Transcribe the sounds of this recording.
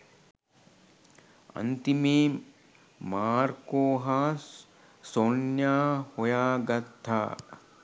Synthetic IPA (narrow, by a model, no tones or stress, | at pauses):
ɐ̰nt̪imeː | maːɾkoːɦɐ | sonjaːhojaːɡɐt̪ʰːa̰ː